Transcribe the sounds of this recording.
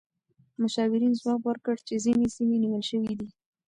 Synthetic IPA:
mʊʃɑwɪɾinzwɑkwəɾkəɽt͡ʃezinesimeniwəlʃəwid̪i

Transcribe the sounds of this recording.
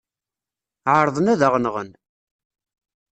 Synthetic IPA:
ʕəɾˤðˤənæðəʁnəʁən

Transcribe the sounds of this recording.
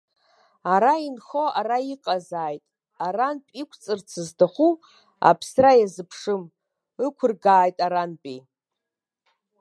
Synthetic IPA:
aɾainχoaraiqʼazaːjtʼ | aranpʼikʷʰt͡sʼɨrt͡sʰɨzdaχʷu | a̰pʰsrajazɨpʰʂɨm | ɨkʷʰʊrɡaːjtʼaɾanpʼi

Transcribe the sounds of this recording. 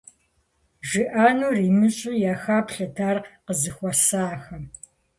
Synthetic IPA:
ʒɪʔaːnuːriːmɨɕʼuːjaːxaːpɬɐtʰaːrqəzɨxʷɔsaːxɐm

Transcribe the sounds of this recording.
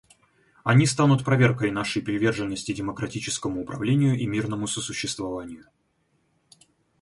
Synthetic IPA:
ɐnʲist̪anʊt̪pɾɐvʲe̞rkəjn̪aʂəjpɾʲɪvʲe̞rʐɨnːəsʲtʲɪdʲɪməkɾɐtʲit͡ɕɪ̥skəmʊːpɾɐvlʲenʲɪjʊʔimʲirnəmʊsəsʊɕːɪst̪vɐvanʲɪjʊ

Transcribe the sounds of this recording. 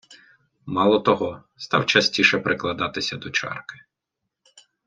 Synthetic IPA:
mɑlˠɔt̪ɔɦɔst̪ɑwt͡ʃɐsʲtʲiʃɛpɾɪklˠɐd̪ɑt̪ɪsʲɐd̪ɔt͡ʃɑ̰rkɪ̥

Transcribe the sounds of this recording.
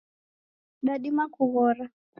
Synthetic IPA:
ɗaɗimakuɣɔɾa

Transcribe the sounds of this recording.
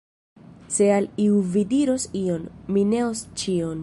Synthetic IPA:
se̞aliuvidiɾo̞sio̞nmine̞ost͡ʃion

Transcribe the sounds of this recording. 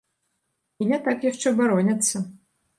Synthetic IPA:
inʲɛt̪akjaʂt͡ʂɛbaɾɔnʲɐt̪sːɐ

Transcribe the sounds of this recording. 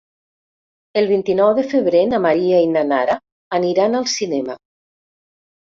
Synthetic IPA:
elˠβint̪inɔwðəfəβɾenamaɾiainanaɾaː | niɾanalˠsinɛma

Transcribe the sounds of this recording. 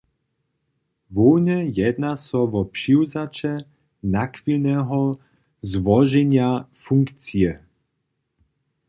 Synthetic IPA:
vɔwɲɛjɛd̪nasɔʋɔpʂiwzat͡ʃɛ | nakʋilnɛːɦɔ | zʋɔʒɛɲjafuŋkt͡siɛ

